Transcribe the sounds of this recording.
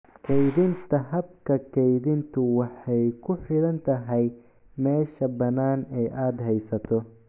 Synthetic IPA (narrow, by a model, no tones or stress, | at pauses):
kʰɛjðɪnt̪ʰɐɦɐb̚kʰɐkʰɛjðɪnt̪ʰʊwɑħɛjkʰʊħɪlɐnt̪ʰɐɦɛj | mɛːʃɐbɐnaːnɛjʔaːd̪ɦɛjsɐt̪ʰɔ